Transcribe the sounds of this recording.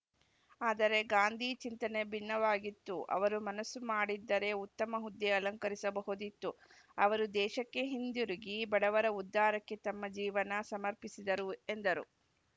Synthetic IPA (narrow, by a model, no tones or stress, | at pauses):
aːd̪ɐɾe̞ɡaːnd̪ʱit͡ʃint̪ɐne̞bʱinːɐʋaːɡit̪ːuʔɐ̰ʋɐɾumɐnɐsːumaːɽid̪ːɐɾe̞ut̪ːɐmɐɦud̪ːiɐlɐŋkɐɾisɐbɐɦud̪it̪ːu | ɐʋɐɾud̪ɛːʃɐkːe̞ɦind̪juɾiɡibɐɽɐʋɐɾɐud̪ːaːɾɐkːe̞t̪ɐmːɐd͡ʒiːʋɐnɐsɐmɐɾpisid̪ɐɾue̞nd̪ɐɾṵ